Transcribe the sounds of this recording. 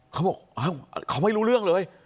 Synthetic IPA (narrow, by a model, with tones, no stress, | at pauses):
kʰa˦˥wbɔː˨˩k̚ʔaː˨˦˥w̰kʰa˧˨˦ma˥˩jɾuː˦˥ɾɯ˥˩əŋlɤː˨˦˥j